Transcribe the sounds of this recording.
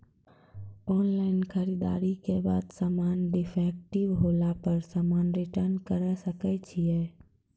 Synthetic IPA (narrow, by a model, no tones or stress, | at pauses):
ɔːnlaːɪnkʰəɾid̪a̰ːɾikebaːd̪saːmaːnɖɪfʰɛːk̚ʈɪʋɦoːlapəɾsaːmaːnɾɪʈəɾnkəɾəsəkɛt͡ʃʰiɛː